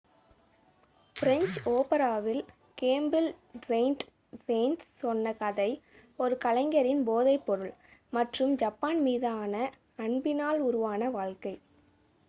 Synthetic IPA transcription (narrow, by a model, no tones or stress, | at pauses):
fɪɾɛɲt͡ʃoːpɐɾaːʋɪl | keːmbɪlseɪnʈ | seɪnsːɔnːɐkɐðɐɪ | ɔɾɯkɐlɐɪŋɡɐɾɪnboːðɐɪpːɔɾɯɭmɐʈrɯmd͡ʒɐpːaːnmiːðaːnɐ | ɐɳbɪnaːlʊɾʊʋaːnɐʋaːɭkɐɪ